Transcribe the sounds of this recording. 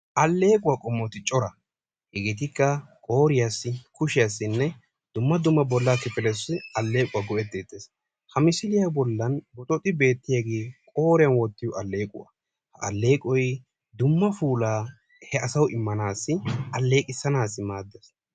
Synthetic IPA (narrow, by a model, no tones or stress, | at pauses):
ʔɐlːe̞ːkʼʊwakʼɔmːɔt̪ɪt͡ʃʼɔɾɐ | hɪɡɪt̪̬ɪkːɐkʼo̞ːɾɪjasːɪkʊʃɪjasːɪnːɛ | d̪ʊmːɐd̪ʊmːɐbɔlːakɪfɪlɛsɪʔɐlːe̞ːkʼʊwaɡɔʔɛt̪ːeːt̪ːes | hɐmɪsɪlɪjabɔlːɐnbɔt̪ʼɔt̪ʼːɪbe̞ːt̪ːɪjaɡe̞ːkʼo̞ːɾɪjɐnwɔt̪ːɪjɔʔɐlːe̞ːkʼʊ̰wɐ̰ | hɐɐ̰lːe̞ːkʼɔj | d̪ʊmːɐfuːlaː | hɛɐsɐwʔɪmːɐnaːsːɪʔɐlːe̞ːkʼɪsːɐnaːsːɪmaːd̪ːɛs